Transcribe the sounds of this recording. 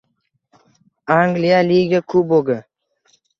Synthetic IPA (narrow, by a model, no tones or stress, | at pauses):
aŋɡlijaliɡʲakʰʊboɡa